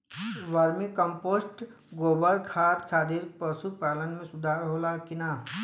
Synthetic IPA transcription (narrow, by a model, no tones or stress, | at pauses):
ʋəɾmikə̃mpoːsʈ | ɡoːbəɾkʰaːt̪kʰaːd̪iɾpəsupaːlənmẽsʊd̪ʱaːɾɦoːlakɪnaː